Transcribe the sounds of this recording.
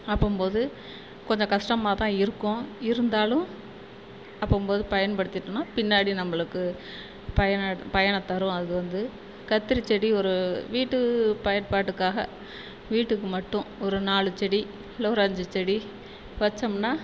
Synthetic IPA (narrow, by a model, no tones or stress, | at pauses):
ɐpːɐmpoːðɯ | kɔɲd͡ʒɐ̃kɐʂʈɐmaːt̪ãːɪɾɯkːʊ̃ɪɾɯnd̪aːlʊ̃ | ɐpːompoːðɯpɐjɐnpɐɽɯt̪ːɪʈːɯnaːpɪnːaːɽinɐmːɐɭɯkːɯ | pɐjɐnapɐjɐɳɐt̪ːɐɾʊ̃ɐðɯʋɐnd̪ɯ | kɐt̪ːɪɾit͡ʃːɛɽiɔɾɯʋiːʈːɯpɐjɐnpaːʈːɯkːaːɣɐ̰ | ʋiːʈːɯkːɯmɐʈːʊ̃ɔɾɯnaːɭɯt͡ʃːɛɽi | loːɾaːɲd͡ʒɯt͡ʃːɛɽi | ʋɐt͡ʃːɐmnaː